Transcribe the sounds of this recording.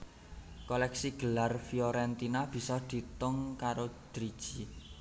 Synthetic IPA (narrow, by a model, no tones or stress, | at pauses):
kolɛksiɡ̥ə̤larfioɾɛnt̪inab̥i̤sɔd̪̥i̤t̪ʊŋkaɾod̪̥ɾid̥ʒ̥i